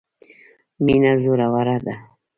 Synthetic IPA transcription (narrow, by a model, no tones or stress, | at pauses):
minazʊɾawaɾad̪a